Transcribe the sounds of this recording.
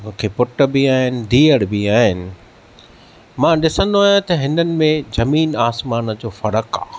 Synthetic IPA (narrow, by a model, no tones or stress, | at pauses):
mʊ̃ːkʰeːpʊʈə̆bɪaːɦɪnɪ̆d̪ʱiːəɽbiaːɦɪnɪ̆ | mãːɗɪsə̃nd̪oaːɦjãt̪ɐɦɪnənɪ̆mẽzɐmiːnaːsmaːnə̆d͡ʑoːfɐɽəka̰ː